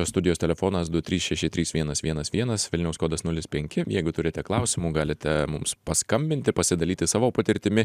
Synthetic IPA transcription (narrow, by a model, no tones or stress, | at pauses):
oːst̪ʊd̪ʲɪjoːst̪ʲɛlʲɛfoːnɐsd̪ʊt̪ʲɾʲiːsʃʲɛʃʲɪt̪ʲɾʲiːsʋʲiɛnɐsʋʲiɛnɐsʋʲiɛnɐsʋʲɪlʲnʲɛʊskoːd̪ɐsnʊlʲɪspʲɛŋʲkʲɪjɛɪɡʊt̪ʊɾʲɪt̪ʲɛklˠɐʊsʲɪmuːɡɑːlʲɪt̪ʲɛmʊmspɐskɐmʲbʲɪnʲt̪ʲɪpɐsʲɪd̪ɐlʲiːt̪ʲɪsɑːʋoːpɐt̪ʲɪɾʲt̪ʲɪmʲɪ